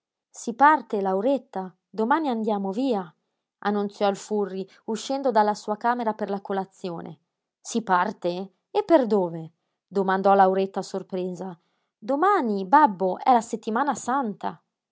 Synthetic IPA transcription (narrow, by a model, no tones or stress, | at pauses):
sipart̪elawɾet̪ːa | d̪omaːniand̪jaːmoviːa | anːunt̪sjɔilfurːi | uʃːɛnd̪od̪alːasuːakaːmeɾaperlakolat̪sːjoːnḛ | sipart̪e | epːerd̪oːve | d̪omand̪ɔlawɾet̪ːasorpɾeːza | d̪omaːnibabːoʔɛlaset̪ːimaːnasant̪a̰